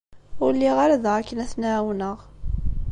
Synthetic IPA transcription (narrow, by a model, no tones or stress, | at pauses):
ʊɾlːiʁaɾaðʁakːənæθnaʕwnəʁ